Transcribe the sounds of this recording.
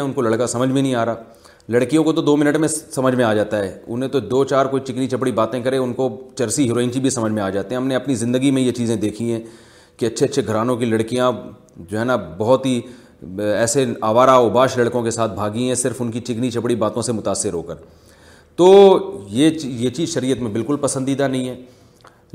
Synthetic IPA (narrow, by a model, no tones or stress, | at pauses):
ɛʊnkolɐɽkasɐməd͡ʒʱmẽnɐɦĩaːɾaː | lɐɽkijõkot̪od̪oːmɪnəʈmẽsɐməd͡ʒʱmẽaːd͡ʒaːt̪aɦɛːʊ̰nɦẽt̪od̪oːt͡ʃaːɾkoːit͡ʃɪknit͡ʃɐp̬ɽibaːt̪ẽkɐɾeʊnkot͡ʃɐɾsiɦɪɾoːɪ̃ːnt͡ʃibʱisɐməd͡ʒʱmẽaːd͡ʒaːt̪eɦɛ̃ɦɐmnẽɐpnizɪ̃nd̪əɡimẽjet͡ʃiːzẽd̪eːkʰiɦɛ̃ː | kiɐtːʃʰeɐtːʃʰeɡʱɐɾaːnõk̬ilɐɽkijã | d͡ʒoːɦɛːnabɐɦʊt̪ɦi | ɛːseaːʋaːɾaʊbaːʃlɐɽkõkesaːt̪̚ʰbʱaːɡiɦɛ̃sɪɾfʊnkit͡ʃɪknit͡ʃɐpɽibaːt̪õsemʊt̪aːsːɪɾɦo̰ːkəɾ | t̪oːjejet͡ʃiːzʃɐɾiːət̪mẽbɪlkʊlpɐsə̃nd̪iːd̪anɐɦĩɦɛː